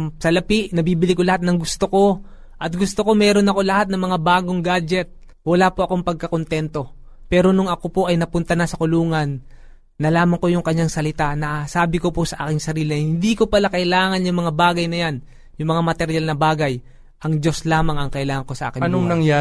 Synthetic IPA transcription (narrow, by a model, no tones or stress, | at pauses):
sɐlɐpiʔnɐbiːbɪliko̞lɐhat̪̚nɐŋɡʊst̪oko̞ | ʔɐt̪̚ɡʊst̪oko̞mɛɾo̞nɐko̞lɐhat̪̚nɐŋmɐŋabaːɡo̞ŋɡad͡ʒɛt̪̚ | wɐlapoʔɐko̞ŋpɐɡ̚kɐkont̪ɛnt̪o̞ | pɛːɾo̞nʊŋɐko̞po̞ʔɐjnɐpʊnt̪ɐnɐsɐkʊluːŋɐnː | ɐlaːmɐŋko̞jʊŋkɐɲːaŋsɐlɪt̪anɐsaːbɪko̞posɐʔa̰ːkɪŋsɐɾiːlɪɐjhɪnd̪iko̞pɐlakɐʔɪlaːŋɐnjʊŋmɐŋabaːɡɐjnɐjan | jʊŋmɐŋamɐt̪ɛɾjalnɐbaːɡɐj | ʔɐŋd͡ʒo̞slaːmɐŋɐŋkɐʔɪlaːŋɐŋko̞sɐʔaːkɪnonɐŋja